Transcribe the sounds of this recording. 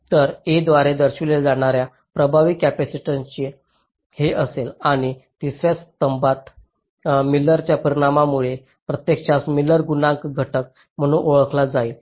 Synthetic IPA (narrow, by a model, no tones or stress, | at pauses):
t̪əɾed̪ʋaɾed̪əɾɕʋileld͡zaɽ̃aɾja | pɾəbʱaʋikkːæpæsiʈaɲt͡ɕi | heʔəselaɽ̃it̪isʋjast̪əmbat̪ | milːəɾt͡ɕjapəɾiɽ̃amamuɭe | pɾət̪jekɕasmiləɾɡunãŋkɡʱəʈək̚ | m̤əɽ̃ũːnʔoɭəkʰlad͡zai